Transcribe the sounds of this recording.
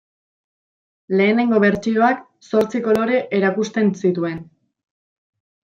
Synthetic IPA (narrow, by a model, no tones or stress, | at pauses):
le̞ːne̞ŋɡo̞βe̞ɾt͡ʃio̞ak | so̞ɾt͡siko̞lo̞ɾe̞ʔeɾakust̪e̞nsit̪ue̞n